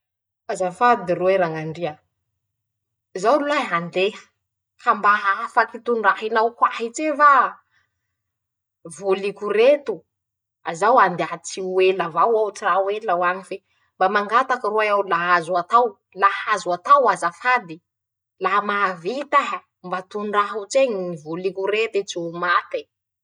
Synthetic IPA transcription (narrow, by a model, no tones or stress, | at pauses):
azafad̪irueɾaŋaɳɖ͡ʐiə | zawlulaɦand̪e̥ | kʰambaɦafakit̪unrahinawkwahit͡sefa | vulikuret̪u | azawand̪eat͡sielavawawt͡siɾawelawaɲife | mbamaŋɡat̪akəɾuaawlaɦazuat̪aw | lahazuat̪awazafad̪i | laɦmavit̪aɦə | mbat̪unraɦut͡seɲivulikuɾet̪et͡siumat̪e